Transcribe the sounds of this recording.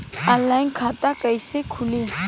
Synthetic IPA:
alajnkʰat̪ʼakajsekʰuli

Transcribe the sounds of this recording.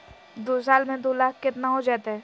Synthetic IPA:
d̪oːs̬aːlmẽd̪olaːkʰkɪt̪naɦod͡ʒaːt̪aɦɛː

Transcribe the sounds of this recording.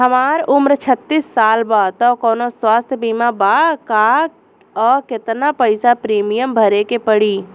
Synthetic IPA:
ɦəmaɾumɾt͡ʃʰət̪ːisːalbat̪ɔkɔːnoswast̪ʰjəbimabaka | ɔːkɪt̪napəɪsapɾiːmijəmbʱəɾekepəɽi

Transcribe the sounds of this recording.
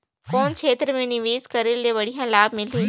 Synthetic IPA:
koːnt͡ʃʰeːt̪ɾmẽnɪʋiːzkɐɾɪldeʋɐɽijãlaːbmɪliː

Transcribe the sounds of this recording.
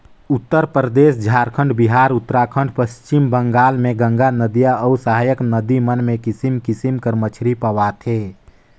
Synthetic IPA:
ʊt̪ːəɾpɾəd̪eːsd͡ʒʱaːɾkʰə̃ɳɖbiɦaːɾʊt̪ːɾaːkʰə̃ɳɖpəst͡ʃɪmbə̃ŋɡaːlmẽɡə̃ŋɡanəd̪ijaɔusəɦaːjəknəd̪imənmẽkɪsimkɪsimkəɾmət͡ʃʰɾipəwat̪ʰeː

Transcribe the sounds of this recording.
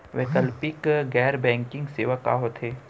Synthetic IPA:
ʋekəlpɪkɡɛːɾbɛ̃ːŋkɪ̃ŋɡseːʋaka̰ɦot̪ʰeː

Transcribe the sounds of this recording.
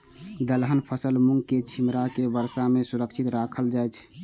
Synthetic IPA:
d̪əlɦənpʰəsəlmuŋɡket͡ʃʰimɾakebəɾsamesuɾəkʃʰit̪ɾakʰəld͡ʒajt͡ʃʰ

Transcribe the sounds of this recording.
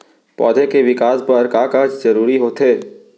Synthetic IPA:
pɔ̰ːd̪ʱekeʋɪkaːspɐɾkaːkat͡ʃd͡ʒɐɾuːɾiɦoːt̪ɦeː

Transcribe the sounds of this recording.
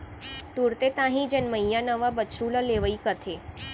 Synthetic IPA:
t̪uɾt̪et̪ãɦĩd͡ʒənməjjanəʋabət͡ʃɾulaleʋəikət̪ʰe

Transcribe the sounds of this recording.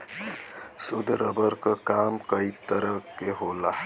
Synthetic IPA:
sʊd̪ʱɾəbəɾkəkamkəit̪əɾəkːeɦola

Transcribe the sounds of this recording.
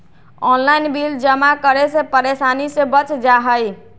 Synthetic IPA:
ɔnlajnbild͡ʒəmakəɾesepəɾesanisẽbət͡ʃd͡ʒaɦəj

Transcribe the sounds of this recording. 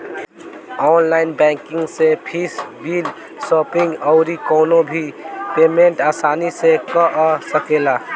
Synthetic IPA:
ɔːnlaɪnbɛ̃kɪ̃ŋɡsepʰisbiːl | sɔːpɪ̃ŋɡɔʊɾikɔːnobʱipeːmeɳʈaːsaːnisekəʔsəkela

